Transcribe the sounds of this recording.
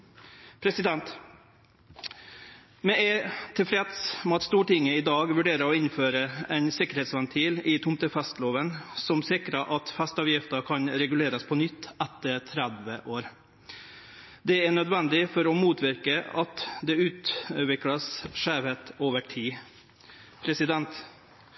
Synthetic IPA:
pʰɾɛsɪd̪ɛnt̪ | mɛʔɛt̪ʰɪlfɾɛt̪smɔɑt̪st̪uːʈɪŋːəɪd̪ɑːɡʋʉɖeːɾəɔɪnføːɾəɛɪnsɪkəɾhɛːt̪sʋɛnt̪ʰiːlɪt̪ʰʊmt̪əfɛst̪loːʋənsɔmsɪkɾəʔɑt̪fɛst̪ɑːʋjɪft̪əkʰɑnɾɛɡʉleːɾəspʰɔnʏt̪ːæt̪ːəɾt̪ʰɾæd̪ʋə̰ʔoːɾ | d̪ɛæɳœd̪ʋɛnd̪ɪfɔɾɔmuːt̪ʰʋɪɾkəɑt̪d̪ɛʉːt̪ʋɪklɑsʂæːʋhet̪oːʋəʈʰiː | pʰɾɛsɪd̪ɛnt̪

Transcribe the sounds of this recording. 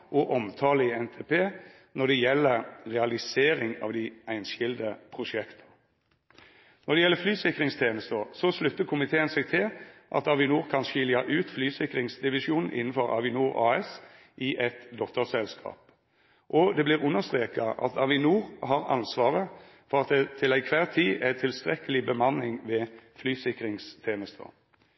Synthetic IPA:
ʔɔʔɔmt̪ʰɑːləɪɛnt̪ʰeːpʰeː | nɔd̪ɛjɛlːəɾʁɛɑlɪseːɾɪŋɑ̰ːʋd̪ɪæɪnɕɪld̪əpʰʁʊʃɛkt̪ʰə̥ | nɔʁd̪ɛjɛlːəflyːsɪkʁɪŋst̪ʰjeːnəst̪əsɔslʉt̪ːəkʰʊmɪt̪ʰeːənsɛɡ̚t̪ʰɪlʔɑ̰t̪ɑʋɪnuːʁkʰɑnʃʏljɑʔʉːt̪flyːsɪkʁɪŋsd̪ɪʋɪʃuːnn̩ʔɪnn̩fɔʁɑ̰ʋɪnuːʁɑ̰ːɛs | ʔɪʔɛt̪d̪ɔt̪əsɛlskʰɑ̰ːp̚ | ʔɔd̪ɛbliːʁʉnːəst̪ʁeːkɑʔɑ̰t̪ʰɑʋɪnuːʁɦɑʁɑ̰nsʋɑːʁə | fɔʁɑt̪̚d̪ɛt̪ʰɪlæɪkʰʋæːʁt̪ʰiːʔæɪt̪ʰɪlst̪ʁɛkəlɪbəmɑnːɪŋʋɛflyːsɪkʁɪŋst̪ʰeːnəst̪ʰə̰

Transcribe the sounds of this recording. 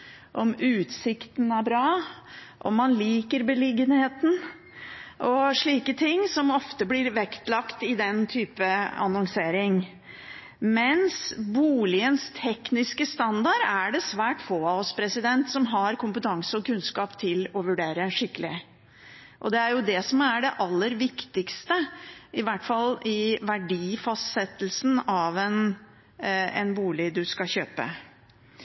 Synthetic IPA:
ʔɔmʉːt̪sɪkt̪n̩æɾbɾɑːʔɔ̰mːɑnliːkəɾbəlɪɡənheːt̪n̩ | ʔɔʂɭiːkət̪ʰɪŋːsɔmɔft̪əblɪɾʋɛkt̪lɑkt̪ɪd̪ɛnt̪ʰyːpəɑ̰nɔŋseːɾɪŋ | mɛnsbuːlɪənst̪ʰɛknɪskəst̪ɑnd̪ɑɾæɖɛsʋæːʈfoːɑɔspʰɾɛsɪd̪ɛnt̪sɔmɦɑɾkʰʊmpət̪ʰɑŋsəɔkʉnskɑːpt̪ʰɪlɔʋʉɖeːɾəʂɪkːəlɪ | ʔɔd̪ɛæɾjʊd̪ɛsɔmæɖɛʔɑlːəɾʋɪkt̪ɪkst̪əɪʋæʈfɑlɪʋæɖiːfɑst̪sɛt̪ːlsn̩ɑʋɛn | ɛ̰nbuːlɪd̪ʉskɑɕøːpə̰

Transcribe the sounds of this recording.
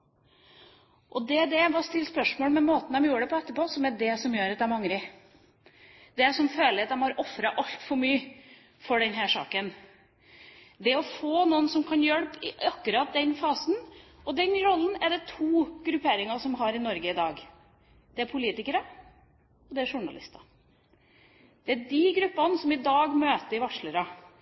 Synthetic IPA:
ʔɔd̪ɛɖ̪ɛʋɑst̪ɪlːspœʂmoːlmɛmoːt̪n̩ɛmjuːəɖɛpʰɔɛt̪ːəɾpoːsɔmæɖɛsɔmjøːɾɑt̪d̪æmɑŋɾɪ | d̪ɛsɔmføːləɾɑt̪æmhɑɾɔfɾɑʔɑlt̪fɔɾmyːə | fɔɖɛnɦæʂɑ̰ːkən | d̪ɛɔfoːnuːənsɔmkʰɑnjœlpɪɑkːʉɾɑt̪̚d̪ɛnfɑːsnʔɔd̪ɛnɾɔlːən̩æɖɛt̪ʰuːɡɾʉpʰeːɾɪŋɑsɔmɦɑɾɪnɔɾɡəɪd̪ɑːɡ | d̪̥ɛæɾpʰʊliːt̪ɪkəɾɑ | ɔd̪ɛæʂʊɳɑ̰lɪ̰st̪ɑ̥ | d̪̥ɛæɖɪɡɾʉpːɑnsɔmɪd̪ɑːɡmøːt̪əɾɪʋɑʂɭəɾɑ

